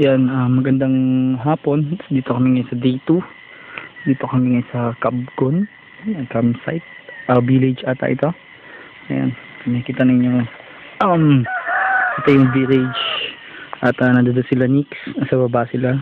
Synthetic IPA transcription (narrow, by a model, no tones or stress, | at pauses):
janɐːɐɡɐnd̪aŋɦaːpo̞nd̪iːt̪okɐmɪŋɐjsɐd̪iːt̪u | d̪iːt̪o̞kɐmɪŋɐjsɐkab̚ɡon | ɐkamsa̰jt̪̚ʔɐbilɪd͡ʒat̪ɐ̰ʔɪt̪o̞ | ɐja̰nɐmɐkiːt̪ɐnɐɪɲːo | ʔɐm | kit̪ɐjʊŋbilɛd͡ʒ | ʔɐt̪ɐnɐd̪ɐd̪osɪlaniksɐsɐbɐbaʔsɪla